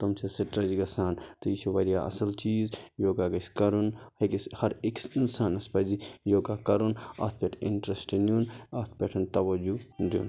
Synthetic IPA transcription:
t̪ɐmt͡ʃʰesɐʈɾɐd͡ʒiɡɐsaːnt̪ɐit͡ʃʰiʋɐɾjaːɐ̰sɐlt͡ʃiːzjoːɡaɡɐskɐɾunhɐkishɐɾeksinsaːnɐspɐzijoːɡaːkɐɾunɐ̰t̪ʰpʲeʈʰḭɳʈɾɐsʈnʲunɐt̪ʰpʲeʈʰɐnt̪ɐʋɐd͡ʒud̪jṵːn

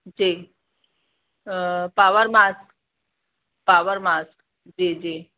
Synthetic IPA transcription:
d͡ʑi | paʋəɾmask | paʋəɾmask | d͡ʑid͡ʒi

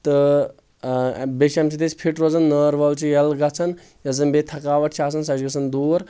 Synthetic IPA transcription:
t̪ɨ | beʃɐmsʰit̪et͡ʃpʰiʈɾoːzɐnːəːɾʋɐlt͡ʃʰijɐlɡɐt͡sʰɐn | jɐzɐnbet̪ʰɐkaːʋɐʈt͡ʃʰiaːs̬ɐnsɐd͡ʒɡɐsʰɐnd̪uːɾ

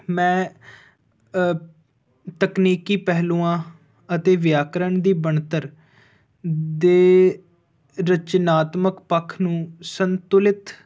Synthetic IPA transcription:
mɛ̃ː | t̪əkniːkiːpɛɦlũːãː | ət̪eːʋɪjaːkɾəɳd̪iːbəɳt̪əɾ | d̪eː | ɾət͡ʃnaːt̪məkpəkʰnũːsənt̪ʊlɪt̪

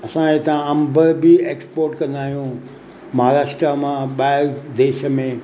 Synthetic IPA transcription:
ɐsãet̪ãɐ̃mbʱəɾbɪeːkspoːɾʈkɐ̃nd̪aːɦijũ | mɐɦaːɾaːʃʈɾəmãɓaːɪɾd̪eːʃə̆mẽ

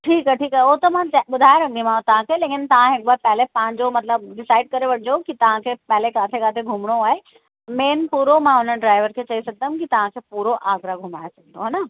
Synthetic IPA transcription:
ʈʰiːkɛʈʰiːkoɦt̪ɐmãɓʊd̪ʱaːjeɾɐ̃nd̪imãot̪ɐʋ̤ãkʰeːleːkɪnt̪ɐʋ̤ãɦɪk̚baːpɛɦlepãːɪ̃ɲd͡ʑomɐt̪ləbɖɪsaːɪɖ̚kɐɾeʋɐʈʰɪd͡ʑokit̪ɐʋ̤ãkʰeːpɛɦlekaːt̪ʰekaːt̪ʰeɡʱʊmɽ̃oaːɦe | meːnpuːɾomãɦʊnəɖɾaːɪʋəɾkʰeːt͡ɕɐisɐɡ̚d̪əmkit̪ɐʋ̤ãkʰeːpuːɾoʔaːɡɾaɡʱʊmaːesɐɡ̚ʱnoɦɛːna

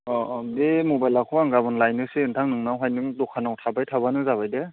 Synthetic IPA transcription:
ɔdemubajlakʰuaŋɡabɯnlajnɯseɯntʰaŋnɯŋnawɦajnɯŋdɔkʰanawtʰabajtʰaβanɯzaβajde

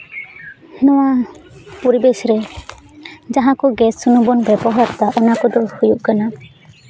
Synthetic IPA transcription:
hɛnɔwapɔɾibesɾɛ | d͡ʒaɦãkɔɡɛsːunubɔnbɛbɔɦaɾt̪aʔɔnakɔd̪ɔhujuʔkana

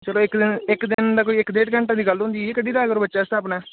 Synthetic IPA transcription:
t͡ʃəloːɪkd̪ɪnɪkd̪ɪnd̪aːkoːiːɪkd̪eːʈkə̃ɳʈãːd̪iːɡəlɦʊ̃ːnd̪iːekədiːd̪aːəɡəɾbətːʃaːst̪ʰaːpnɛː

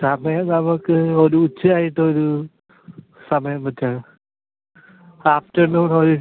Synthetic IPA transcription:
sɐmɐjɐmnɐmukːɨoɾuːt͡ɕːɨaːjiʈːɨoɾu | sɐmɐjɐmpɐtːaːɳɨ | aːfʈɐrnuːnoɾu

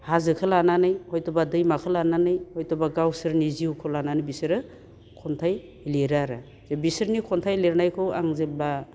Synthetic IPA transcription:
hazɯkʰɯlananɯjhɔjtɔbadɯjmakʰɯlananɯjhɔjtɔbaɡawsɯɾniziukʰolananɯbisɯɾɯ | kʰɔntʰaj | leɾaɾa | zebisɯɾnikʰɔntʰajleɾnajkʰɯwa̰ŋzeba

